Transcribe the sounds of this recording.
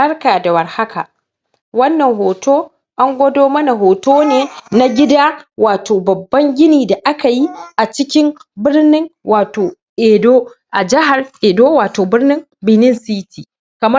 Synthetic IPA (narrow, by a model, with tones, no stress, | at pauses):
ɐ˦rkaː˨da˨wɐ˨rha˦ka˨ | wɐ˦nːɐ˨ŋɦoː˨toː˦ | ʔa˦ŋɡʷɐ˦doː˦mɐ˦na˨ɦoː˨toː˦neː˨na˦ɡʲɪ˦daː˦waː˨toː˨bɐ˨bːɐ˦ŋɡʲɪ˦niː˨da˨ʔa˦ka˨ji˦ʔa˨t͡ʃɪ˦kʲɪ˦mbɪ˦rnɪ˦ŋwʔaː˨toː˨ | ʔeː˨doː˦ʔa˨d͡ʒɪ˦ɦa˨rʔeː˨doː˦waː˨toː˨bɪ˦rnɪ˦m | bɪ˦nɪ˦nsi˦tʰiː˨ | kɐ˨mɐ˦